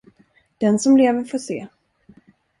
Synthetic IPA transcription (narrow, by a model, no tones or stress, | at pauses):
d̪̥ɛnsɔmleːvəɾfoːsḛː